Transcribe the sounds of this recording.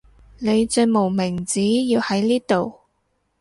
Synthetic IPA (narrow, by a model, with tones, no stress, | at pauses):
ne˨˧jt͡sɵ˧mo˨˩wmɪ˨˩ŋt͡siː˨˥jiː˧whɐ˨˥jliː˥t̪o˨w